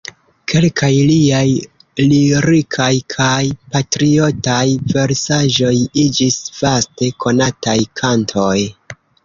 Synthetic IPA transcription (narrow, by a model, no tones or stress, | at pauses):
kʰe̞lkʰajliaj | liɾikʰajkʰajpatɾio̞tajve̞ɾsaʒo̞jid͡ʒisv̥aste̞kʰo̞natajkʰantʰo̞j